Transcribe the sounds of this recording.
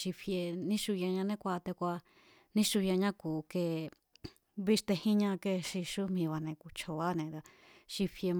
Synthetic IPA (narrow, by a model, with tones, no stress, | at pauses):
ʃi˧fje˧nĩ˦ʃu˧jã˧ɲã˧nẽ˦kʷa˧t̪e˧kʷa˧ | nĩ˦ʃu˧jã˧ɲã˦kuː˨ke˧˨ | βi˦ʂt̪e˧hĩ˦ɲã˧ke˧ʃi˧ʃu˦mĩ˧βa˧nẽ˧ku˧t͡ʃʰo˧˨βa˦nẽ˨˧d̪a˧ | ʃi˧fje˧m